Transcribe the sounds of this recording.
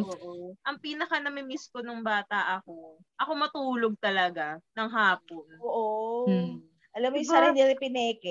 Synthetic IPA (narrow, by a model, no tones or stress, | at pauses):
ʔoːʔoʔɐŋpiːnɐkɐnɐmɪmiskonoŋbaːt̪ɐʔɐko̞ | ʔɐko̞mɐt̪uːloɡ̚t̪ɐlɐɡanɐŋɦaːp̚onoːʔo | ʔɐlɐmojsaɾɪd̪ɪɾɪpɪnɛːkɛ